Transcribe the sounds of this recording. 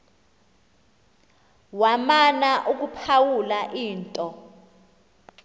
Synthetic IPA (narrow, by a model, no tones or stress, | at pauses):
wamanaʔuk̬upʰawulaʔiːntʼɔ